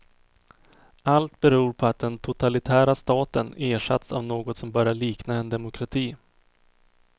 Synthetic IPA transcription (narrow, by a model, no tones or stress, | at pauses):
alt̪bɛɾuːɾpʰɔat̪̚d̪ɛnt̪ʰʊt̪ʰalɪt̪ʰæːɾast̪ɑːt̪əneːʂa̰t̪sa̰vnoːɡɔt̪sɔmbœɾjaɭiːknaɛnd̪ɛmʊkʰɾat̪ʰiː